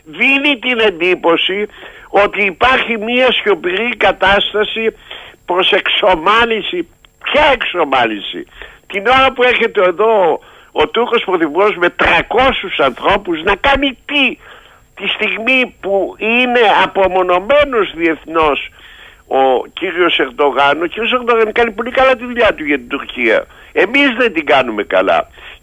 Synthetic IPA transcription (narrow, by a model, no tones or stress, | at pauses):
ðinit̪ine̞nd̪ipo̞sio̞t̪iːpɐɾçimiɐsço̞piɾikɐt̪ɐst̪ɐsipɾo̞se̞kso̞mɐlisi | pçɐe̞kso̞mɐlisḭt̪ino̞ɾɐpue̞çe̞t̪eːðo̞ | ot̪uɾko̞spɾoθipuɾo̞zme̞t̪ɾɐko̞susɐnθɾo̞puznɐkɐnit̪i | t̪ist̪iɣmipuine̞ɐpo̞mo̞no̞me̞no̞zðie̞θno̞s | ociɾio̞se̞ɾd̪o̞ɣɐnociɾio̞s̬e̞ɾðo̞ɣɐnikɐnip̬o̞likɐlɐt̪̬iðuʎɐt̪uʝɐt̪id̪uɾciɐ̰ | e̞mizðe̞nd̪iɡɐnume̞kɐ̰lɐ̰